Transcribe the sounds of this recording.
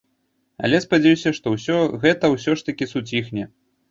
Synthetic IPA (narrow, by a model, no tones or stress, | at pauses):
ɐ̰lʲɛspad͡zʲɛjusʲɐʂt̪ɔwsʲɔɣɛt̪ɐwsʲɔʂt̪ɐkʲisut͡sʲixnʲɛ